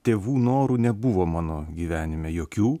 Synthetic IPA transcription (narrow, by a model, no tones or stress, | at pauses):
t̪ʲeːʋuːnoːɾuːnʲɛbʊʋoːmɑːnoːɡʲiːʋʲæːnʲɪmʲɛjoːkʲuː